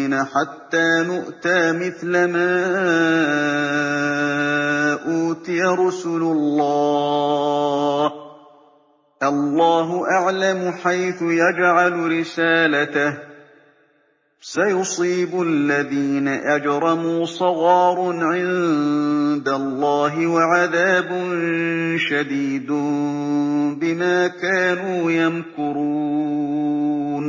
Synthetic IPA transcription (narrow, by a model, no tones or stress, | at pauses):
naħat̪ːaːnʊʔt̪aːmɪθlamaː | ʔuːt̪ɪjaɾˤɑsuːlʊlːɑː | h | ʔɑlˤːɑːɦʊʔaʕlamħajθʊjad͡ʒʕalɾɪsaːlat̪ah | sajʊsˤiːbʊʔalːaðiːnaʔad͡ʒɾˤɑmuːsˤɑɣɑːɾˤʕɪn | d̪alˤːɑːɦɪwaʕaðaːbʊnʃad̪iːd̪ʊ | bɪmaːkaːnuːjankʊɾuː | n